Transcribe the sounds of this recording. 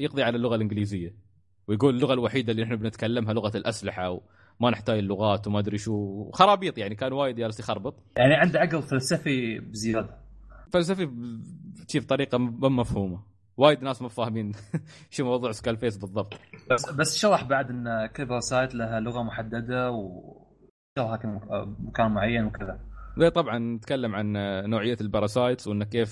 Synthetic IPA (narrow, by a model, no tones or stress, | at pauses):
jɪqðˤiʕalalːʊɣalʔɪnɡliːzɪjːa | wjɡuːlɪlːʊɣalwaħiːd̪alːinaħnabnɪt̪kalːamɦalʊɣalʔaslɪħaw | manɪħt̪aːd͡ʒɪlːʊɣaːt̪wmad̪ɾiʃuːxɑɾˤɑːbiːt̪ˤjaʕnikaːnwaːjɪd̪jaːlsjxɑɾˤbɨt̪ˤjaʕniʕɪnd̪ʕaɡðˤfalsafibɪzɪjaːd̪afals̬afi | ʃiːft̪ˤɑɾiːqɑmɪmːafhuːma | waːjɪd̪naːsmʊfaːhmiːnʃiːmɑwɑðˤuːʕskaːlfeːsbɨðˤːɑb̚t̪ˤsbasːʃɑɾˤɑħbaʕd̪ʔɪnːkɪlːbɑɾˤɑsaːjt̪laɦalʊɣamʊħad̪ːad̪aw | ʃɑɾˤɑħaːkɪmʊkaːnmʊʕajːanwkɪðawet̪ˤɑbʕɑnːɪt̪kalːamʕanːoːʕɪjːalbɑɾˤɑsaːjt̪swʔənːakːeːf